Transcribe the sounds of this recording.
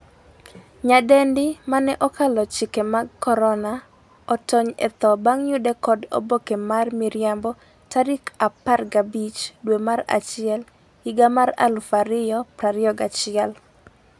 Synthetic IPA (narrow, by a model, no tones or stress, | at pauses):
ɲadɛndɪmanɛʔɔkalɔt͡ʃɪkemaɡkɔɾɔna | ɔtɔɲɛ̰t̪ɔbaŋjʊdɛkɔdo̰bokemarmiɾjambɔ | taɾikaparɡabit͡ʃdwemaɾa̰t͡ʃɪɛl | iɡamaɾa̰lfaɾɪjɔpɾaɾjɔɡat͡ʃɪɛl